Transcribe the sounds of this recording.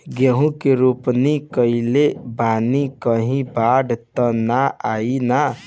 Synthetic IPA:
ɡeɦũkeɾupnikəilebanikəɦĩbaɖt̪ənaaina

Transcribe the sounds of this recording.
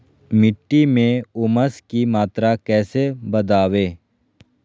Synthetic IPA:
mɪʈːimẽʊməskimaːt̪ɾakɛːsebɐd̪aːweː

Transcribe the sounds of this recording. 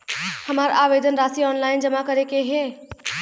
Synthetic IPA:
həmaːɾaʋeːd̪ʱənɾaːsiɔːnlaːɪnd͡ʒəmakəɾekeɦe

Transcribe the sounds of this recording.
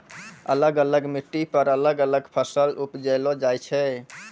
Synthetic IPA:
ə̰ləɡələɡmiʈːipəɾələɡələɡpʰəsəlupd͡ʒəjlod͡ʒajt͡ʃʰɛ

